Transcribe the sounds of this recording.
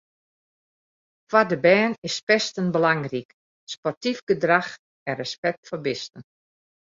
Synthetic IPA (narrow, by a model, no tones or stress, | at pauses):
fwadəbɛːnɪspɛstənbəlaŋrik | spɔrtifɡədrax | ɛnrəspɛk̚tfɔbɪstən